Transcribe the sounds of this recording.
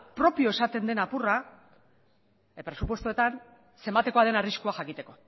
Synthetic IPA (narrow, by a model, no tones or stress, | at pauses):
pɾo̞pio̞e̞sat̪e̞nd̪e̞napura | pɾe̞supwest̪ue̞t̪an | se̞mbat̪e̞ko̞aðe̞nariskuaxakit̪e̞ko̞